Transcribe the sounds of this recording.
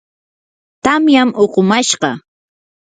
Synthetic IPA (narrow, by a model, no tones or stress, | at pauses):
t̪amjamoqomaʃɢɑ